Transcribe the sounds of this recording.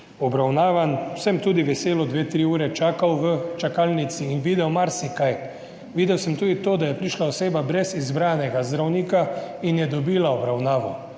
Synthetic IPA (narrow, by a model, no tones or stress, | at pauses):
ɔbɾawnaːʋansɛmt̪uːd̪iʋɛseːlɔd̪ʋeːt̪ɾiuːɾɛt͡ʃaːkawʋət͡ʃakaːlnit̪siːnʋiːd̪ɛwmaɾsikaj | ʋiːd̪ɛwsɛmt̪uːd̪it̪oːd̪ajɛpɾiʃlaoseːbabɾɛzizbɾaːnɛɡazd̪ɾawniːkainjɛd̪ɔbiːlaɔbɾawnaːʋɔ̰